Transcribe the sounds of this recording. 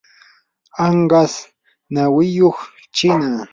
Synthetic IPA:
ɑɴɢɑs | nawɪjoχ | t͡ʃɪna

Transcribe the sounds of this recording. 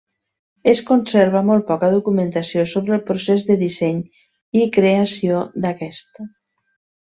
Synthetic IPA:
eskunseɾβamolˠt̪̚pɔkəðukumənt̪asiosoβɾəlˠpɾusezðəðisɛɲ | ikɾeasiod̪akɛst̪ə

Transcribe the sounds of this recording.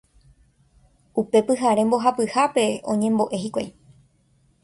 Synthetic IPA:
upe̞pɨɦaɾe̞mbo̞ɦapɨhape̞õ̞̰ɲẽ̞mbo̞ʔe̞ɦikʷaj

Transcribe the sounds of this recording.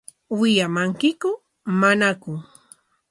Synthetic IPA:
wɪjamaŋkɪkʊ | manakʊŋ

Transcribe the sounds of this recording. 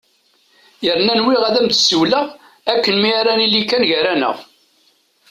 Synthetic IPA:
jəɾnænwiʁæðæmd̪suwləʁ | ækːənmiɾænilːikænʝəɾænə̰ʁ

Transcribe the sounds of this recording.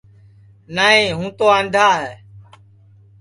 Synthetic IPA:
naːɦĩːɦũːt̪oːãːnd̪ʱaːɦɛː

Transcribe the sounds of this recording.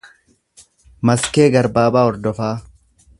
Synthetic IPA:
mɐskeːɡɐɾbaːbaːɔɾd̪ɔfaː

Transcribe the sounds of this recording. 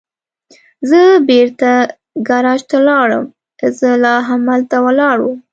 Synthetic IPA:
zəbeɾt̪a | ɡaɾɑʃt̪alɑɽə̰m | kəzəlɑɦamalt̪awəlɑɽu

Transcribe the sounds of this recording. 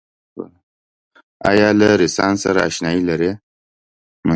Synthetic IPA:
ɑ̰jɑlaɾɪsɑnsaɾa̰ːʃnɑilaɾe | mə

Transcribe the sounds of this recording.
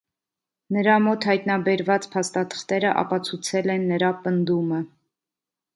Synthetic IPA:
nəɾɑmɔt̪hɑjt̪nɑbɛɾvɑt͡spʰɑst̪ɑt̪ʰə̥χt̪ɛɾəʔɑ̰pɑt͡sʰut͡sʰɛlɛnːəɾɑpənd̪umə

